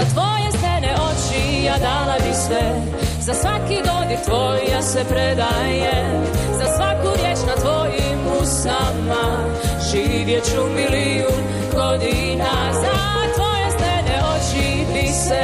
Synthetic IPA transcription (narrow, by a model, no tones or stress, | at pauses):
zat̪ʋojesɛnɛot͡ʃiad̪alabisʋɛ | zasʋakid̪od̪it̪ʋojasɛpɾɛd̪a | je | zasʋakuɾjet͡ʃnat̪ʋojimusama | ʒiːʋjet͡ʃumili | un | ɡod̪i | na | za | t̪ʋojest̪ɛnɛot͡ʃi | bisɛ